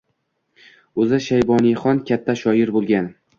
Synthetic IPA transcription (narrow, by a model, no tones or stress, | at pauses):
ɵzɪʃajbɒnijχɒnkʲʰat̪ʰːaʃɒjɪɾbolˠɡʲan